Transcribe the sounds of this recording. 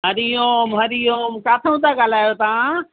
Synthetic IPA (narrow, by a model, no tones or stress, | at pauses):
ɦəɾijoːmɦɐɾijoːmkaːt̪ʰəũt̪aɡalaːjot̪aã